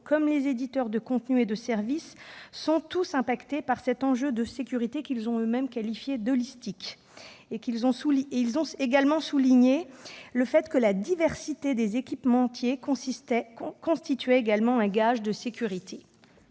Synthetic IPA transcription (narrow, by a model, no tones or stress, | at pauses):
kʰɔmlezed̪it̪œʁd̪əkɔ̃t̪nyed̪əsɛʁvisːɔ̃t̪usɛ̃pakt̪epaʁsɛt̪ɑ̃ʒød̪əsekʲyʁit̪ekilzɔ̃ømɛmkalifjed̪ɔlist̪ik | ekilzɔ̃sulieilzɔ̃eɡalmɑ̃suliɲeləfɛt̪kəlad̪ivɛʁsit̪ed̪ezekʲipmɑ̃ːt̪jẽ | kɔ̃st̪it̪ɥɛeɡalmɑ̃ɛ̃ɡaʒd̪əsekʲyʁit̪ʰe